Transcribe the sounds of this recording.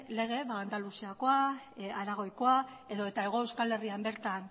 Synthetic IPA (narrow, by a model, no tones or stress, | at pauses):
le̞ɣ̞e̞βaːnd̪alusiako̞a | aɾaɣ̞o̞jko̞a | e̞ðo̞et̪ae̞ɣ̞o̞e̞wskale̞riambe̞ɾt̪an